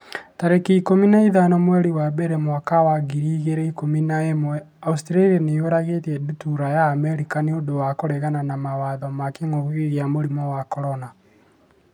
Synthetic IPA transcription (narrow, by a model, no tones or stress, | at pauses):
taɾekiikominaiðanɔmwɛɾiwabeɾemwakawaɣiɾiːɣeɾɛikominaɛmwɛ | austɾaɾianeweɾaɣeteɛdutuɾajaːmɛɾikaneondowakoɾɛɣananamawaðɔmakeŋoɣɣiɣeamoɾimɔwakɔɾɔna